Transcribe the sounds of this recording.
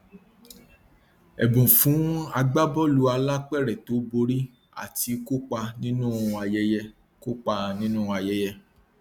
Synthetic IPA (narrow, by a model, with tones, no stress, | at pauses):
ɛ˨bũ˨fũ˨˦a˧ɡ͡ba˦bɔ˦lu˧˦a˧la˦k͡pɛ˦˨ɾɛ˨to˨˦bo˧ɾi˦ | a̰˦˨ti˨˧ko˦k͡pa˧nĩ˦nũ˦a˧jɛ˦jɛ˧ | ko˦k͡pa˧nĩ˦nũ˦a˧jɛ˦jɛ˧